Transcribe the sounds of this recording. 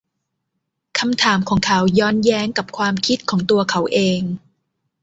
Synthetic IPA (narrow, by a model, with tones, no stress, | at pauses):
kʰa˧mt̪ʰaː˩˦mkʰɔː˩˦ŋkʰa˨˦wjɔː˧˥njɛː˦˥ŋka˨˩p̚kʰwaː˧mkʰi˦˥t̪̚kʰɔː˩˦ŋt̪u˧ɐkʰa˩˦˥wʔeː˧ŋ